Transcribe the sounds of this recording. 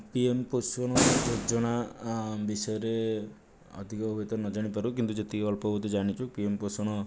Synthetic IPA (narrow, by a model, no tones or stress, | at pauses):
piemposwɔɽ̃ɔd͡ʒod͡ʒɔɽ̃abisɔjɔɾe | ɔ̰d̪ʱikɔbʱɔbet̪ɔɾnɔd͡ʒaɽ̃ipaɾukint̪ud͡ʒet̪ʰiɔlpɔbɔd̪ud͡ʒaɽ̃it͡ʃʰupiemposɔɽ̃ɔ